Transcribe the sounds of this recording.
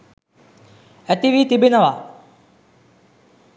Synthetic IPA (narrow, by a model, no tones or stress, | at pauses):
æt̪iʋiːt̪ibinəʋaː